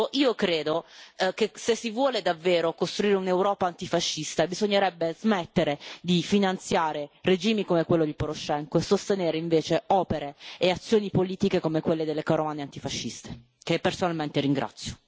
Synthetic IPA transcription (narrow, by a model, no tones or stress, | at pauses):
ʔiːokɾeːd̪okesesːivwɔːled̪avːeːɾokost̪ɾuiːɾeunewɾɔːpaːnt̪ifaʃːist̪abizoɲːeɾɛbːezmɛt̪ːeɾed̪ifinant̪sjaːɾered͡ʒiːmikomekwelːod̪ipoɾoʃːɛŋkoesːost̪eneːɾeiɱveːt͡ʃeɔːpeɾeːat̪sːjoːnipoliːt̪ikekomekwelːed̪elːekaɾomaːneant̪ifaʃːist̪e̥ | kepːersonalment̪eɾiŋɡɾʔa̰t̪sːjo̥